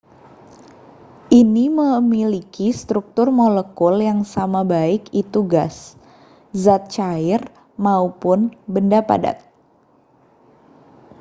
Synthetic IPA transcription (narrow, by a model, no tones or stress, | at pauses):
ʔiniməmilikist̪ɾuk̚t̪ʊrmoləkʊljaŋsamabaɪkit̪uɡas | zat̪̚t͡ʃaɪr | maupʊnbəndapa̰da̰t̪̚